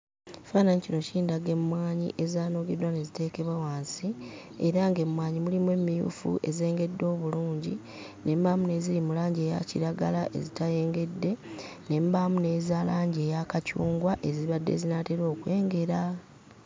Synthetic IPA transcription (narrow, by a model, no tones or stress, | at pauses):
faːnaɲicino̞ciːndaɡe̞mːwaːɲḭʔe̞zaːno̞ɡedwane̞zite̞ːke̞βwawaːnsieɾaŋɡe̞mwaːɲimulimwe̞mːijṵːfṵʔe̞̰ze̞ːŋɡe̞dːo̞ːβuluːɲɟi | ne̞mbamune̞ːzilimulaːɲɟeːja̰ciɾaɡalaʔe̞̰zitaje̞ːŋɡe̞dːe̞ | ne̞mbamune̞ːzaːlaːɲɟe̞ːjakacṵːŋɡwaʔe̞ziβadːe̞̰ːzinateɾo̞ːkwe̞ːŋɡe̞ɾa